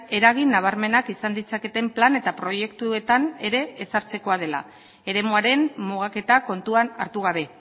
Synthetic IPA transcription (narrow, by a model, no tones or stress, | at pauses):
e̞ɾaɣ̞inːaβ̞aɾme̞nakisand̪it͡sake̞t̪e̞mplane̞t̪apɾo̞je̞kt̪ue̞t̪ane̞ɾe̞ːsaɾt͡se̞ko̞að̞e̞la̰ | e̞ɾe̞muaɾe̞mmuɣ̞ake̞t̪ako̞nt̪uana̰ɾt̪uɣ̞aβe̞